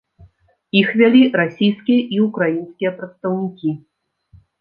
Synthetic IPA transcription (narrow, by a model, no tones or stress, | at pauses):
ixvʲalʲiɾasʲijskʲijɛʔiukɾajinskʲijɛpɾɐt̪st̪ɐwnʲikʲi